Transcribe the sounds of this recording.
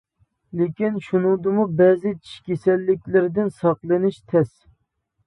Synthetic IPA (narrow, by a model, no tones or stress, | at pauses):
lɪkʲinʃunɨŋd̪ɨmubɛːzɪt͡ʃʰi̥ʃkʲesɛlːɪkʲlɪɾɪd̪ɪnsɑqlˠɨnɪʃt̪ʰɛs